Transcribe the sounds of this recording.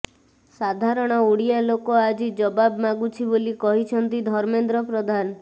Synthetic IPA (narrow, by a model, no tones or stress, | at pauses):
sad̪ʱaɾɔɽ̃ɔuɽijalokoad͡ʒid͡ʒɔbabmaɡut͡ʃʰibolikɔɦit͡ʃʰɔnt̪id̪ʱɔɾmend̪ɾɔpɾɔd̪ʱan